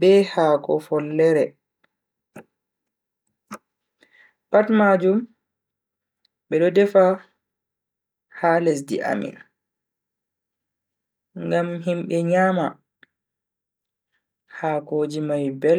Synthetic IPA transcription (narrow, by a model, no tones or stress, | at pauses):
bɛhaːkɔ̰fɔlːɛɾɛ | patmaːd͡ʒum | ɓɛɗɔdɛfa | haːles̬dḭʔa̰mḭn | ŋɡamɦimɓɛɲaːma | haːkoːd͡ʒimajbɛl